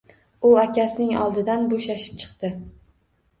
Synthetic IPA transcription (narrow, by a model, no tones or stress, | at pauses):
ʊakʲasɪnɪŋɒ̰lˠd̪ɪd̪anboʃaʃɪ̥p̚t͡ʃʰɨ̥qt̪ɪ